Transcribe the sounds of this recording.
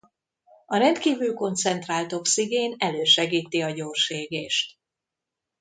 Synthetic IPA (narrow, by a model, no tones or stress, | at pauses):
ɒɾɛnt̪kiːvylko̞nt̪sɛnt̪raːlt̪o̞psiɡeːnɛløːʃɛɡiːt̪iɒɟoːrʃeːɡeːʃt̪